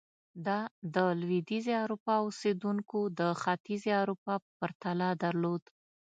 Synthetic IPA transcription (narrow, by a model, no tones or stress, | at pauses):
d̪ɑd̪əlwid̪izeaɾupɑʊsed̪uŋkod̪əxɑt̪izeaɾupɑpəpəɾt̪alɑd̪aɾlod̪